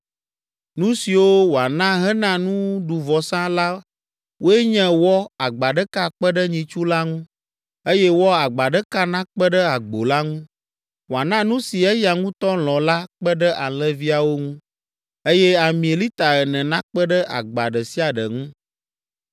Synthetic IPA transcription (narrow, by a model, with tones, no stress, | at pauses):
nũ˦si˨wo˦wo˨a˨nã˦ɦɛ˦nã˦nũ˦ɖu˨vɔ˨sã˦la˦ | wo˦ɛ˦ɲɛ̃˦wɔ˦a˨ɡ͡ba˨ɖə˦ka˦k͡pə˦ɖə˦ɲĩ˨t͡ʃu˦la˦ŋũ˦ | e˦jɛ˦wɔ˦a˨ɡ͡ba˨ɖə˦ka˦nã˦k͡pə˦ɖə˦a˨ɡ͡bo˨la˦ŋũ˦ | wo˨a˨nã˦nũ˦si˨ɛ˦ja˨ŋũ˦t̪ɔ˦l̃ɔ̃˨la˦k͡pɛ˦ɖə˦ʔa˨lɛ̃˦vi˦a˨wo˦ŋũ˦ | e˦jɛ˦a˨mĩ˨e˨li˦t̪a˨ɛ˨nɛ̃˨nã˦k͡pə˦ɖə˦ʔa̰˨ɡ͡ba˨ɖə˨si˦a˨ɖə˨ŋũ˦